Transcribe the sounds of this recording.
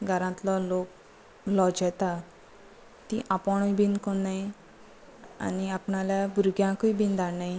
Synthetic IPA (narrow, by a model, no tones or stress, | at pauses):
ɡʱəɾãt̪lɔlok̚ | lɔd͡ʑɛt̪a | t̪iʔapɔɳ̃ɔjbʱinkonːaj | a̰niapɳaljabuɾɡjãkujbind̪ʱaɽnaj